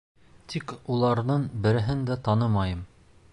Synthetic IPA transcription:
t̪ʰikulˠɑɾnɤɴbɘ̆ɾɘ̆ɦɘnd̪æt̪ɑnɤmɑjɤm

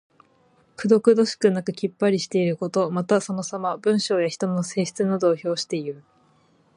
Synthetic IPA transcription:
kɯ̟d̪o̞kɯ̟d̪o̞ɕi̥kɯ̟nakɯ̟kʲipːaɾʲiɕi̥t̪e̞iɾɯ̟ko̞t̪o̞mat̪aso̞no̞samabɯ̟̃ɰ̃ɕo̞ːjaçi̥t̪o̞no̞se̞ːɕi̥t͡sɨnad̪o̞ːço̞ːɕi̥t̪e̞iɾɯ̟

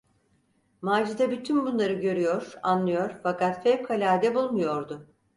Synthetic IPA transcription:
maːd͡ʒid̪abyt̪ʰymbunlˠaɾɯɟø̞ɾyjo̞ɾ̥anlˠɯjo̞ɾfakat̪fɛvkʰalʲaːd̪ɛbulˠmujo̞ɾd̪ʊ

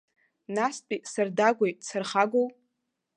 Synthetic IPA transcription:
naspʼisardaɡʷejtʼt͡sʰarχaɡʷow

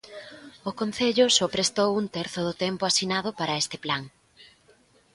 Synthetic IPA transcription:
ʊkon̟θeʎʊsopɾest̪owunt̪ɛɾθʊðʊt̪empʊasinaðʊpaɾɐest̪ɪ̥plaŋ

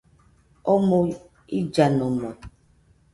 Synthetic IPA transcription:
omo | id͡ʒanomɔ

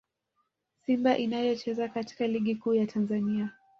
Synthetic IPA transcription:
simbaʔinajɔt͡ʃɛzakati̥kaliɠikuːjatʰanzania

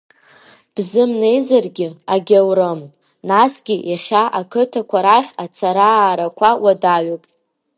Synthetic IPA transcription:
b̥zɨmne̞jzarɡʲɪaɡʲawrɨm | nasɡʲɪjʔaχʲaʔakʰɨtʰakʷʰaɾaχʲat͡sʰaɾaːɾakʷʰawadaɥopʼ

